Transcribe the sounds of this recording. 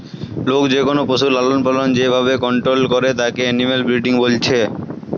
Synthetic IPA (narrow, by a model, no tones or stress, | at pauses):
lokd͡ʑekonopoʃuɾlalonpalond͡ʑebʱaβekɔɳʈɾolkoɾet̪akeɛnimelbɾiɖiŋbolt͡ɕʰe